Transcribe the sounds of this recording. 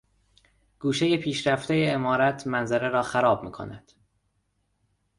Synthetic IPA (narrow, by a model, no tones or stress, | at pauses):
ɡ̥uːʃe̞jepʰiːʃɾæft̪e̞jeːmɒːɾæt̪ʰmænzæɾeɾɒːxæɾɒːb̚mḭːkʰo̰næd̪̥